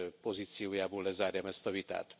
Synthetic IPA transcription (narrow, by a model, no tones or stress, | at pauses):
pɔzit͡siujabulɛzaːɾjamɛst̪ɔʋit̪a̰t̪